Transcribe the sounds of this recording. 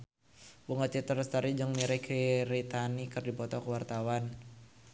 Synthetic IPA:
buŋət̪̚t͡ʃit̪ərst̪əɾid͡ʒəŋmiɾɛkʰiɾit̪anikɨrdipɔt̪ɔkəwart̪awan

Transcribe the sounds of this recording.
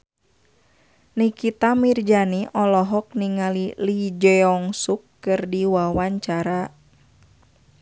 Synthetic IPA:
nikit̪amird͡ʒaniʔɔlɔɦɔk̚niŋalilid͡ʒɛɔŋsukːɨrdiwawaɲt͡ʃaɾa

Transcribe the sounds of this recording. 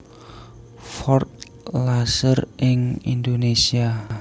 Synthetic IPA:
fɔrt̪̚ | lasərʔɪŋḭndonesia

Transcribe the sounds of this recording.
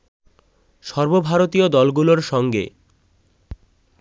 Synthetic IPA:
ʃɔɾbobʱaɾot̪iod̪ɔlɡuloɾʃɔŋɡḛ

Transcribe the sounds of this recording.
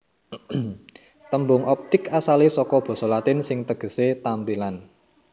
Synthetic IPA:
t̪əmbʊŋʔɔp̚t̪ɪkasalisɔkɔb̥ɔ̤sɔlat̪ɪnsɪŋt̪əɡ̥ə̤set̪ampilan

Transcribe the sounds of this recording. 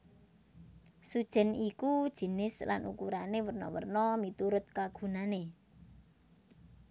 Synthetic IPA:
sud̥ʒ̥ɛ̤nikud̥ʒ̥i̤nɪsla̰nṵkuɾanewərnɔ̰wə̰rnɔmit̪uɾʊt̪̚kaɡ̥ṳnane

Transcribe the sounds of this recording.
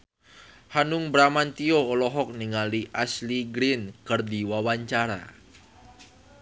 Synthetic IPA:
hanʊŋbɾamant̪ioːlɔɦɔk̚niŋaliʔasliɡɾɪnkərdiwawaɲt͡ʃaɾa̰

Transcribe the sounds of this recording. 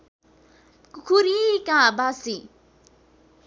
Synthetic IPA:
kukʰuɾikãːbasi

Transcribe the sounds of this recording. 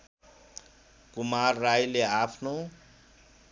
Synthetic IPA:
kumarːajleapʰno

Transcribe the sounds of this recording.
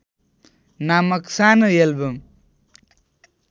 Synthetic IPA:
namʌksanəelbʌm

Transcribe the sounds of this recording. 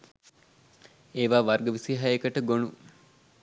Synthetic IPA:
eːʋaːʋarɡəʋisiɦaekəʈəɡonu

